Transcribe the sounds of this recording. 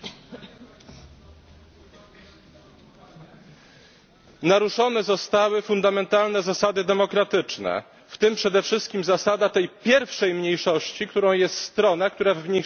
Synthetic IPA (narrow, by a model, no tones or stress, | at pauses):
naɾuʂɔnɛzɔst̪awɘfund̪amɛnt̪alnɛzasad̪ɘd̪ɛmɔkɾat̪ɘt͡ʂnɛ̰ | ft̪ɘmpʂɛd̪ɛfʂɘst̪kʲimzasad̪at̪ɛjpʲjɛɾfʂɛjmɲejʂɔɕt͡ɕikt̪uɾɔ̃w̃jɛst̪st̪ɾɔnɛk̚t̪uɾavmɲej